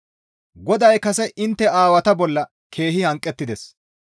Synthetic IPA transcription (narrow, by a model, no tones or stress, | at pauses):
ɡɔd̪ɐjkɐsɛʔɪnt̪ːɛaːwɐt̪ɐbɔlːɐ | kʰe̞ːɦɪhɐŋkʼːɛt̪ːɪd̪ɛs